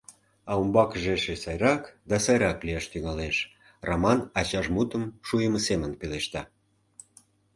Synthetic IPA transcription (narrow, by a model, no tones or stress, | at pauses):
ɑumbɑkəʒeʃesɑjɾɑkd̪ɑsɑjɾɑkliɑʃt̪yŋɑleʃ | rɑmɑnɑt͡ɕɑʒmut̪əmʃujəməsemənpeleʃt̪ɑ